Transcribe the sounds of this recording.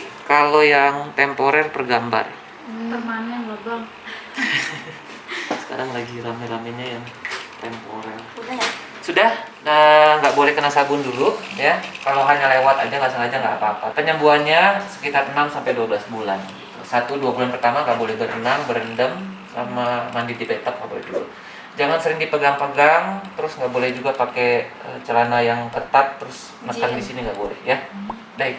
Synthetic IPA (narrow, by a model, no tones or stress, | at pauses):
kalojaŋt̪ɛmpoɾɛrpərɡamba̰r̰ | bərmanbəɡɔŋ | sə̥ka̰ɾaŋlaɡiɾamɛɾamɛɲajaŋt̪ɛmpo̰ɾɛrda | sudah | əŋɡaʔbolɛhkənasabʊnduɾʊkjakalowɦaɲalewat̪ad͡ʒaŋɡasaŋad͡ʒaŋɡaʔːpaːpa̰pəɲəmbuanɲasə̥kit̪arənamsampajduabəlasbulanɡit̪ṵsat̪uduabulanpərt̪amaŋɡaʔbolɛhbəɾənaŋbəɾəndəmsa̰mamandɪldibət̪əp̚ŋɡa̰ʔbolɛ̰hduɾṵʔ | d͡ʒaŋansəɾɪŋdipəɡaŋpəɡaŋt̪əɾʊsŋɡaʔbolɛhd͡ʒuɡapake | ə̰t͡ʃəlanajaŋk̪ət̪ap̚t̪əɾʊs | naskaŋdisiniŋɡaʔbolɛ̰hja | dait̪